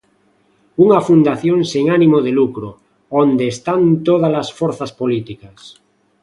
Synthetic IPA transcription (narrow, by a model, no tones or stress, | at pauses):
uŋafund̪aθjõŋseŋanimoðelukɾo | ond̪eːst̪ant̪oð̞alasfoɾθaspolit̪ikas